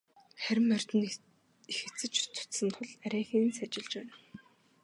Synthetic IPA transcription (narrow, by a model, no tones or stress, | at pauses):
χæɾʲɪ̆mːœr̥ʲt̪ɘ̆n | ixɘ̆t͡sɘ̆t͡ɕt̪ʰʊ̥t̪sə̆nt̪ʰʊɮæɾʲæːxiːnsæt͡ɕɪ̆ɮt͡ɕpæːn